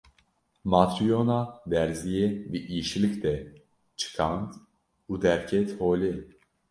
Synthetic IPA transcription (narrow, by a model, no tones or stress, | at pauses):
mat̪ɾijonad̪ɛɾzijɛdiʔiʃilicd̪ɛ | t͡ʃʰɨ̥kʰant̪ | ud̪ɛɾcʰɛt̪hoːli